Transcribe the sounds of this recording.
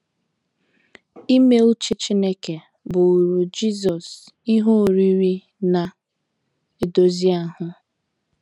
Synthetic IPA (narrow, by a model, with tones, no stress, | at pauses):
i˦me˦u˦t͡ʃi˦t͡ʃi˦ne˦ke˨ | bʊ˨u˨ɾu˨d͡ʒi˦z̬ɔ˨s | i˦ɦo˦˨ɾi˦ɾi˦ | na˨ | e˨do˦zi˦a˦ɦʊ˦